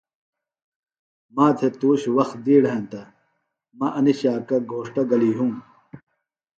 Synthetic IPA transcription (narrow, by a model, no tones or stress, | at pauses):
maːt̪ʰet̪uːɕwɐxt̪̚d̪iːɽɦẽnt̪ɐ | mɐʔɐniɕaːkɐɡʱoːʂʈɐɡɐliːɦũm